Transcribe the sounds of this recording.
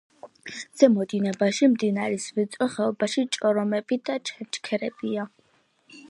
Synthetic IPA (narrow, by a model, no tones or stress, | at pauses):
z̥ɛmɔd̪inɛbaʃimd̪inaɾɛsvɛt̪sʼɔχɛɔbaʃit͡ʃʼɔɾɔmɛbid̪at͡ʃʰɛt͡ʃkʰɛɾɛbia